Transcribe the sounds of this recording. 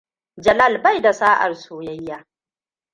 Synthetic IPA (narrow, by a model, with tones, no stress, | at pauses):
d͡ʒɐ˨la˦˨lba˦˨jda˨saː˦ʔa̰˨rsoː˨jɐ˦jːaː˦